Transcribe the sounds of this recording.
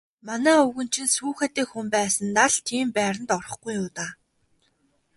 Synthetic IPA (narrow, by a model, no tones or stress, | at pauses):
manæːɵɣɵ̆n̥t͡ɕʰɪ̆nsuːxæt̪iːkxumpæːsə̆nːaɮt̪ʰiːmpæːɾə̆nt̪ɔrɞ̆χɡujʊːt̪aː